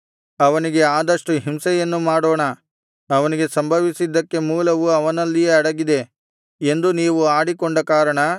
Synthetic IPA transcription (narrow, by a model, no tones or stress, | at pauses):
ɐʋɐniɡe̞aːd̪ɐʂʈuɦimsɛjɐnːumaːɽoːɳɐ | ɐʋɐniɡe̞sɐmbʱɐʋisid̪ːɐkːe̞muːlɐʋuɐʋɐnɐlːijeɐɽɐɡid̪e̞ | e̞nd̪uniːʋuaːɽikoɳɖɐkaːɾɐɳɐ